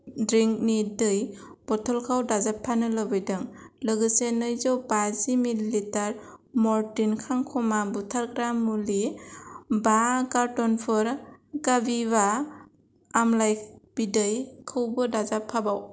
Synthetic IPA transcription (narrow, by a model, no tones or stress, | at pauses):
dɾiŋk̚nidɯjb̥ɔtʰɔlkʰawdazapʰːanɯlɯbɯjdɯŋlɯɡɯsenɯjzɔwbazimilitaɾmɔɾtinkʰaŋkʰɔmabutʰaɾɡɾamːuli | bakaɾtɔnpʰɯɾɡabiβaː | mlajb̥idɯjkʰɯwbɯdazapʰːabaw